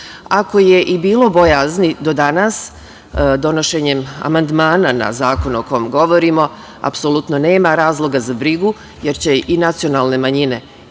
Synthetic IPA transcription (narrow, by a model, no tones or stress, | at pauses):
ako̞jeʔibiːlo̞bo̞jaznid̪o̞d̪anas | d̪o̞no̞ʃeɲe̞ma̰mand̪maːnana̰zaːko̞nuoko̞jomɡo̞ʋo̞ɾimo̞ | a̰psolˠut̪none̞ːmaɾaːzlˠo̞ɡazabɾiɡu | jeɾt͡ɕe̞ʔinat̪sio̞naːlne̞maɲine̞